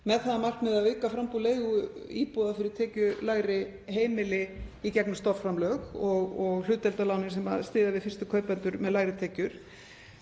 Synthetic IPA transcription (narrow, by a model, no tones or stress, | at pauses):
mɛðθaðamar̥knmɛðaʏːkafɾampuleːjɣiːpɔːðafɪɾɪɾ̥t̪ʰɛːcʏlaːjɾɪ | ɦeːjmɪlɪicɛknʏmst̪ɔffɾamlœɣɔɣɔɣl̥ʏːt̪ɛlt̪alaːwnɪ̥sɛmast̪ɪːðavɪðfɪr̥st̪ʏkʰœːɥpɛnt̪ʏɾmɛðlaːjɾɪt̪ʰɛːcʏɾ̥